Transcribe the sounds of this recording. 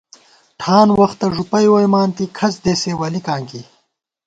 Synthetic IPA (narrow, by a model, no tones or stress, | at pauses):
ʈʰaːnwɐxt̪ɐʐupɐjwojmaːnt̪ikʰɐsd̪eːseːwɐlikaːŋki